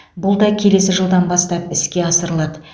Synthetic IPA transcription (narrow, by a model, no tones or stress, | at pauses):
bʊlˠd̪ɑkʲʰe̞le̞s̬ɪʒəlˠd̪ɑnbɑst̪ɑpɪskʲe̞ɑsəɾəlˠɑd̪ə